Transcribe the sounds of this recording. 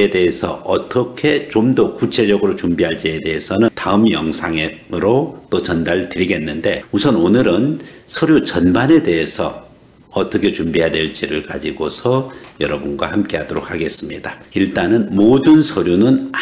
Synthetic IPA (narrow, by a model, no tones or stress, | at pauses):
ede̞esʰʌʌt͈ʌkʰe̞t͡ɕomdokut͡ɕʰe̞d͡ʑʌɡɯɾot͡ɕumbiɦaɭt͡ɕ͈iede̞ɦesʰʌnɯntaɯmjʌŋsʰaŋeɯɾot͈ot͡ɕʌndaɾɭtɯɾiɡe̞nːɯnde̞usʰʌnonɯɾɯnsʰʌɾjut͡ɕʌnbane̞de̞ɦesʰʌ̰ | ʌt͈ʌkʰe̞t͡ɕumbiɦadweɭt͡ɕ͈iɾɯɭkad͡ʑiɡosʰʌjʌɾʌbunɡwa̰hamk͈e̞ɦadoɾok̚haɡe̞s͈ɯmɲidaiɭt͈anɯnmodɯnsʰʌɾjunɯn